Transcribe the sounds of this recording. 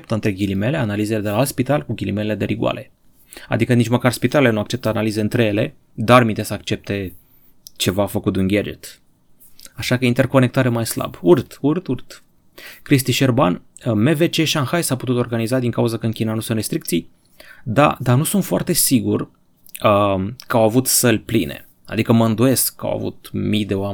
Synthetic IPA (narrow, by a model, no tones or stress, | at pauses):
ep̚t̪əɨnt̪ɾe̞ɡʲilime̞le̞analize̞led̪e̞laalt̪spit̪alkuɡʲilimelele̞d̪e̞ɾiɡua̰le̞ | a̰d̪ikənit͡ʃməkarspit̪alele̞nuak̚t͡ʃe̞p̚t̪əanalize̞ɨnt̪ɾejele̞ | d̪armint̪esakt͡ʃe̞p̚t̪e̞ | t͡ʃe̞vaːfəkut̪unɡʲad͡ʒḛt̪ | aʃakəint̪erko̞ne̞k̚t̪aɾemajsla̰burt̪urt̪urt̪ | kɾis̬t̪iʃerban | me̞ve̞t͡ʃeʃiaŋxajsaput̪ut̪o̞rɡanizad̪iŋkauzəkəɨnkʲinanusunt̪rɾe̞st̪ɾikt̪sij | d̪a̰d̪anusunt̪foa̰rt̪e̞siɡur | əkəawavut̪səlʲplinḛ | a̰d̪ikəməɨnd̪uje̞skːa̰wa̰vṵt̪mijd̪e̞oame